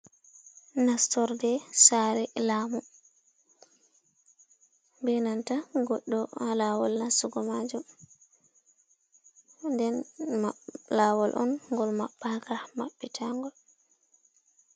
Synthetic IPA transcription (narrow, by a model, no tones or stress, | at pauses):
nastɔɾdɛsaɾɛlaːmu | bɛnantaɡɔɗːɔhalawɔlːansuɡɔmad͡ʒum | ndɛnmalaːwɔlʔɔnŋɡɔlmaɓːakamaɓːitʰaŋɡɔl